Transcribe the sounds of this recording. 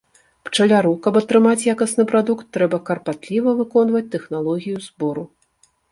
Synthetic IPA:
pt͡ʂɐlʲaɾukɐbɐt̪ɾɨmat͡sʲjakɐsnɨpɾad̪ukt̪ːɾɛbɐkɐrpat̪lʲivɐvɨkɔnvɐt͡sʲt̪ɛxnalˠɔɣʲijuzbɔɾu

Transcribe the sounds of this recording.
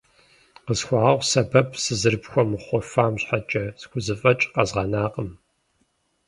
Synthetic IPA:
qəzxʷɑːʁɐʁʷsɐbɐpʰsɨzɨrpxʷɔmχʷɔfaːmɕħat͡ʃʼɐz̥kʷʊzɨfʼɐt͡ʃʼqɐzʁɐnaːqəm

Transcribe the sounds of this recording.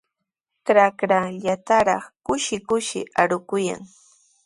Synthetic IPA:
kɾakɾaʎat̪aɾɑχkʊʃɪkʊʃɪ̰aɾʊkʊja̰ŋ

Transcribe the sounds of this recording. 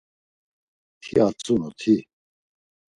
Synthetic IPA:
t̪ʰiat͡sʼunut̪ʰi

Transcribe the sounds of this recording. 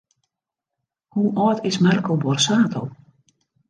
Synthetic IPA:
huʔɔːtɪsmɛrkəlˠbɔrsaːtʰow

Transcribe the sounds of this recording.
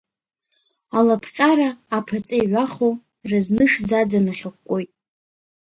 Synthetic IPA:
alapʰqʲʼaɾaːpʰat͡sʼejʕʷaχow | rɨznɨʂd͡zad͡zanɨχʲɪkʷkːʷʼo̞jtʼ

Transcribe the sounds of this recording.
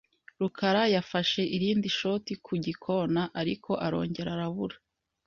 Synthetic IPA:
ɾukʰaɾajafaʃe̞ʔiɾiːndiʃo̞tikʰuɟikʰo̞naʔaɾikʰo̞ʔaɾo̞̰ːɲɟe̞ɾaɾaβuɾḁ

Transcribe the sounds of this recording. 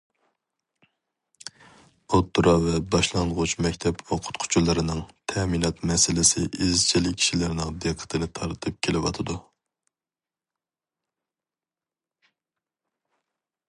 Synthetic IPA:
ot̪ʰːuɾɑvɛbɑʃlˠɑnʁʊt͡ʃmɛkʲt̪ʰɛpwoqʰʊ̥t̪qʰʊ̥t͡ʃʰulˠːɨɾɨnɨŋt̪ʰɛminɑt̪mɛsɪlɪsɪʔizt͡ʃʰilɪk̚ʲʰi̥ʃilɪɾnɪŋd̪eqʰːə̥t̪ʰɨnɪt̪ʰɑɾt̪ʰɨp̚kʲʰelɪwɑ̰t̪ʰɨd̪u

